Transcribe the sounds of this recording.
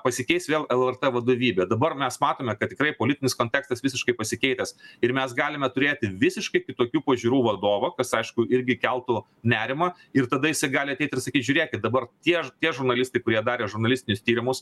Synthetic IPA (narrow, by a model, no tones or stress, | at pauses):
pɐsʲɪkʲɛɪsʋʲeːlˠɛlˠɛrt̪ɛʋɐd̪oːʋʲiːbʲɛd̪ɐbɐrmʲɛsmɑːt̪oːmʲɛkɐt̪̚t̪ʲɪkɾɐɪpoːlʲɪt̪ʲɪnʲɪskoːnʲt̪ʲɛːkst̪ɐsʋʲɪsʲɪʃkɐɪpɐsʲɪkʲɛɪt̪ʲɛsɪɾmʲɛsɡɑːlʲɪmʲɛt̪ʊɾʲeːt̪ʲɪʋʲɪsʲɪʃkɐɪkʲɪt̪oːkʲuːpɐʒʲiɾuːʋɐd̪oːʋɐkɐsɐɪʃkʊɪɾʲɡʲɪkʲɛlˠt̪ʊ | nʲæːɾʲɪmɐ | ɪrt̪ɐd̪ɐjɪsɐɪɡɑːlʲɪɐt̪ʲɛɪt̪ʲɪɾsɐkʲiːt̪ʒʲʊɾʲeːkʲɪt̪̚d̪ɐbɐrt̪ʲiɛt̪ʲiɛʒʊɾnɐlʲɪst̪ɐɪkʊɾʲiɛd̪ɑːɾʲeːʒʊɾnɐlʲɪsʲt̪ʲɪnʲʊst̪ʲiːɾʲɪmʊs